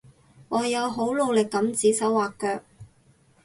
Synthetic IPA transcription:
ŋɔː˨˧jɐ˨˧wɦo˨˥wlo˨˧wlɪ˨kːɐ˨˥mt͡siː˨˥sɐ˨˥waː˨kːœː˧k̚

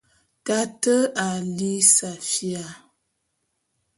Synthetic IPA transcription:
ka˦tə˦a˨li˦sa˨fja˨

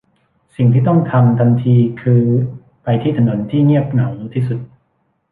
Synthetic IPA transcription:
si˨˩ŋt̪ʰiː˥˩t̪ɔ˥˩ŋt̪ʰa˧mt̪ʰa˧nt̪ʰiː˧kʰɯː˧ | pa˧jt̪ʰiː˥˩t̪ʰa˧no˩˦nt̪ʰiː˥˩ŋi˥˩əp̚na˩˦wt̪ʰiː˥˩su˨˩t̪̚

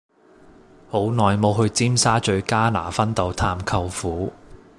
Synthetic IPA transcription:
ho˨˥wnɔː˨˩jmo˨˧wɦɵ˧ɥt͡siː˥msaː˥t͡ʃɵ˧ɥkaː˥na̰ː˨˩fɐ˥nt̪o˨˧wt̪ʰaː˧mkʰɐ˧wfuː˨˥

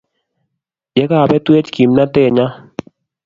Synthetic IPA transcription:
jɛ˨˦ka˦˨bɛ˦twe˦t͡ʃki˨mna˦tɛ˦˨ɲa˦

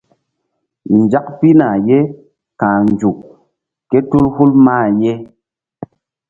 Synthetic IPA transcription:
n˨d͡ʒa˦kpi˦na˨je˦ | kãː˨n˨d͡ʒu˨k | kːe˦tu˦lhu˦lmaː˦˨je˦

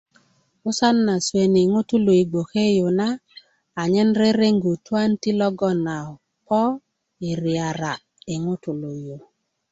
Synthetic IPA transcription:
ʊ˦sa˦nːa˨swe˨ni˨ŋʊ˦tu˦lo˨i˨ɡ͡bo˨ke˦jo˨naː˦˨ | ɲɛ˦nɾe˦ɾe˦ŋɡu˨twa˦nti˦lɔ˦ɡɔ˦na˨ | pɔ˦ | i˨ɾɪ˨a˨ɾa˨ | ɪ˨ŋʊ˦tu˨lo˨jo˨

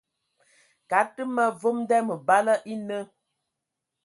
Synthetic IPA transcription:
ka˨˦tɨ˦mə˦vo˦mdɛ˦mə˨ba˦lə˦ʔi˦nə˦

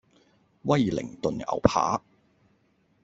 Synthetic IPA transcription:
wɐ˥˧jlɪ̰˨˩ŋt̪ɵ˨nɐ̰˨˩wpʰa̰ː˨˥

